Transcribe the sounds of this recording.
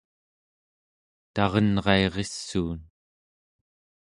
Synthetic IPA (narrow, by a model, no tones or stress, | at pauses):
t̪ɑʁʌnʁɑe̞ʁesːuːn